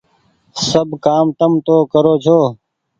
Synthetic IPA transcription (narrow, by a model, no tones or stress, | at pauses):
səbkaːmt̪əmt̪oːkəɾoːt͡ʃʰoː